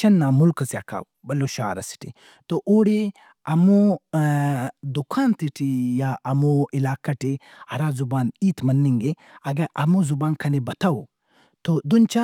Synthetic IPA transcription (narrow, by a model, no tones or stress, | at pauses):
t͡ʃʰɐnːaːmulkɐsʲa̰ːka̰wbɐloːʃa̰ːɾɐsi̥ʈḭ | t̪oʔoːɽi | ɐmu | d̪ukʰaːnt̪iʈijaʔɐmuilaːkɐʈi | ɐɾaːzubaːniːt̪mɐnːiŋɡe | ɐɡɐʔɐmuzubaːnkʰɐnibɐt̪ʰɐwu | t̪od̪unt͡ʃa